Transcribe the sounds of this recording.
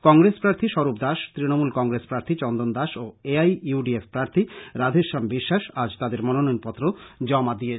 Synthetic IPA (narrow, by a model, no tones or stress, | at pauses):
kɔŋɾespɾaɾt̪ʰiʃɔɾupd̪aʃt̪ɾinomulkɔŋɡɾespɾaɾt̪ʰit͡ɕɔnd̪ond̪aʃoeajuɖiefpɾaɾt̪ʰiɾad̪ʱeʃambiʃːaʃad͡ʑt̪ad̪eɾmɔnononpɔt̪ːɾod͡ʑɔmad̪ie